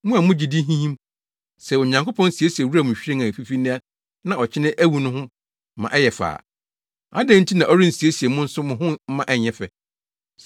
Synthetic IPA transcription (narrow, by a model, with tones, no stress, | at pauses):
mʊ̃˦a˨mʊ̃˦d͡ʑi˨di˦ɦĩ˦hĩ˦m | sɛ˨ʊ˨ɲã˨ŋko˦pʰɔ̃˦n̩˦si˨e˦si˨e˨wu˦a˨mʊ̃˨ɕᶣɾẽ˦ŋã˨fi˦fi˦nɪ̃˦a˦ | nã˦˨ɔ˨t͡ɕʰɪ˦nɪ̃˦ʔæ˦wu˨nʊ̃˦hʊ̃˦ | mã̰˨ʔɛ˦jɛ˨fa̰ː˨ | a̰˦dɛ̃˦n̩˦tʰi˦nã˨ʔɔ˦ɾi˦n̩˨si˨e˦si˨e˨mʊ̃˦n̩˦sʊ˦mʊ̃˨ɦʊ̃˦mã˦ʔɛ˦˨ɲɛ̃˦fɛ˨